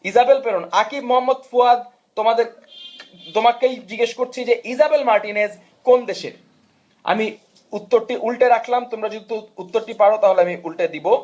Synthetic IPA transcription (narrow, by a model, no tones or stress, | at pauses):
izabelpeɾonakibmoɦamːod̪fuad̪̚ | t̪omad̪eɾ | t̪omakːejd͡ʑiɡeʃkoɾt͡ɕʰid͡ʑeʔizabelmaɾʈinez | kond̪eʃḛɾ | a̰mi | ut̪ːoɾʈiʔulʈeɾakʰlamt̪omɾad͡ʑod̪ʱit̪uut̪ːoɾʈipaɽot̪aɦoleamiʔulʈed̪ibo